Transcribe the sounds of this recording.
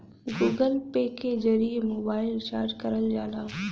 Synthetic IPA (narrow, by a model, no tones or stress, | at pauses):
ɡuːɡəlpeːked͡ʒɐɾiːmoːbaːɪlt͡ʃaːɾd͡ʒkɐɾəld͡ʒaːlaː